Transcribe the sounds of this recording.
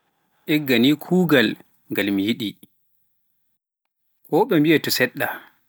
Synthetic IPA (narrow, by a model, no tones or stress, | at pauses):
ʔɛɡːaniːkʰuːɡal | ŋɡalmijiɗi | kʰɔɓɛmbiɛtɔsɛɗːa